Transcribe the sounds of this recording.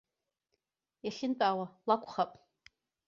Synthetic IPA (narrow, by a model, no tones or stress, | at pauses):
jaɬʲɪnt͡sʼaːwalakʷʰʼχapʼ